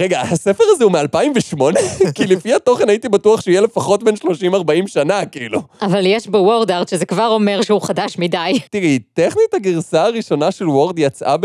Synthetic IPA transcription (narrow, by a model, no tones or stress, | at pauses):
ʁeɡahasefeʁazeumealpaimveʃmo̞ne̞kilefihato̞χenait̪ibatuaχʃeijele̞faχo̞t̚benʃlo̞ʃimaʁbaimʃanakiiluavaljeʃbewoʁd̪aʁt̪ʃezekvaʁo̞meʁʃeuχadaʃmidajtiʁiteχnithaɡiʁsaaʁiʃo̞naʃelwoʁd̪jat͡sʔa̰b